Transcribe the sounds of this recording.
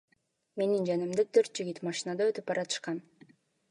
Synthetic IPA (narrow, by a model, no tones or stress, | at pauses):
me̞nind͡ʒænimd̪et̪ʰøɾt̪̚d͡ʒiɡʲit̪mɑʃinɑd̪ɑøt̪yp̚bɑɾɑt̪ɯ̥ʃqɑn